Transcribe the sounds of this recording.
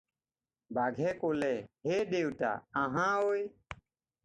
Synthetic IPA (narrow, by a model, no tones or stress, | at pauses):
baːɡʱeːkoːleːɦeːɖeːwta̰ːəɦãːoːj